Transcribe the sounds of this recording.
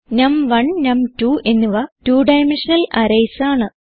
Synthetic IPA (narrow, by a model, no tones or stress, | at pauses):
nɐmʋɐɳnɐmtuːʔe̞nːuʋɐtuːɖɐjmenʂɐnɐlɐɾɐjsaːɳɨ